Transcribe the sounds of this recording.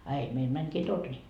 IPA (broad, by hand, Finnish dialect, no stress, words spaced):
ɑ ei meil mæŋkiː torni